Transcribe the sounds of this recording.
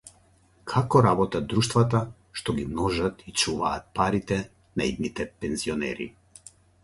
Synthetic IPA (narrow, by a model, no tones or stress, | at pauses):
kʰakɔɾabɔt̪ad̪ɾuʃt̪vat̪a | ʃt̪ɔɡimnɔʒat̪it͡ʃuvaːt̪̚paɾit̪ɛ | naḭd̪nit̪ɛpɛnziɔnɛ̰ɾḭ